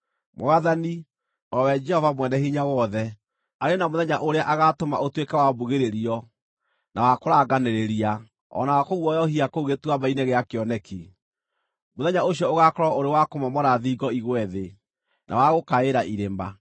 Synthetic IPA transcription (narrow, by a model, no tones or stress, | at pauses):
mo̰aðani | ɔwɛd͡ʒɛhɔvamwɛndɛhiɲawɔðɛ | aɾenamoðɛɲaʔoɾeaʔaɣatoma̰ʔotwekɛwabuɣeɾeɾiɔ | nawakoɾaːɡaneɾeɾia | ɔ̰nawakoɣwɔjɔɦiakouɣetwamaineɣeakeɔnɛkʰi | moðɛɲaoɕiɔoɣakɔɾɔoɾewakomɔmɔɾaðiɡɔiɣwɛðe | nʔa̰waɣokaeɾaʔiɾemba̰